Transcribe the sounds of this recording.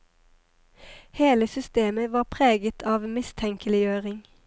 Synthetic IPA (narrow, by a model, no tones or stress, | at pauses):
heːləsʏst̪eːməʋɑːʁpʰʁeːɡət̪ʰɑːʋmɪst̪ʰɛŋkəlɪjøːʁɪŋ